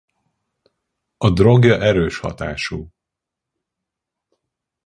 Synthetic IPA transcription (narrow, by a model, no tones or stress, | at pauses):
ɒd̪ro̞ɡjɒʔɛɾøːʃhɒ̰t̪a̰ːʃuː